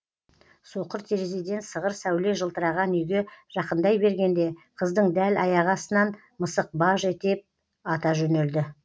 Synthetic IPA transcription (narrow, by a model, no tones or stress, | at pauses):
so̞qəɾt̪ʰeɾezid̪ʲe̞nt̪səʁəɾsæwle̞ʒəlˠt̪əɾɑʁɑnʏjɡʲe̞ʒ̥ɑqənd̪ɑjbe̞ɾɡʲe̞nd̪e̞qʰəzd̪əɴd̪ælɑjɑʁɑsənɑn | məsəq̚bɑʒe̞t̪e̞p̚ | ɑt̪ɑʒɵne̞ld̪ɪ